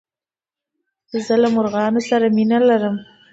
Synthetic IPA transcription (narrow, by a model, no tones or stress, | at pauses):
zəlamʊɾɣɑnosaɾaminalaɾəm